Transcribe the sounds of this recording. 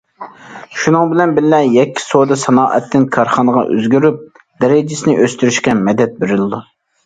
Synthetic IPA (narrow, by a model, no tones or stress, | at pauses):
ʃunɨŋbɪlɛnbɪllɛjɛkʲʰːi̥sod̪ɨsɑnɑːʔɛt̪ʰːɪnkʰɑɾχɑnəʁɑ̰ʔø̰zɡʲyɾyp̚ | d̪̥ɛɾɪd͡ʒɪsɪnɪʔøst̪yɾyʃkʲɛmɛd̪ɛt̪̚beɾɪlɨd̪u